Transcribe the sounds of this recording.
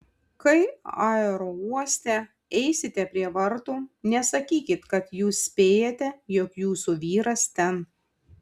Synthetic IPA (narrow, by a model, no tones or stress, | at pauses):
kɐɪɑːɛɾoːuɔsʲt̪ʲɛ | ɛɪsʲɪt̪ʲɛpʲɾʲiɛʋɐɾt̪uːnʲɛsɐkʲiːkʲɪt̪kɐt̪juːssʲpʲeːjɛt̪ʲɛjɔkjuːsuʋʲiːɾɐst̪ʲɛn